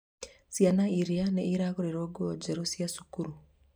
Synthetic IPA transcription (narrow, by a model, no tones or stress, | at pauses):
sjanaiɾianeiɾaɣuɾiɾoɡwod͡ʒeɾosjasu̥kuɾu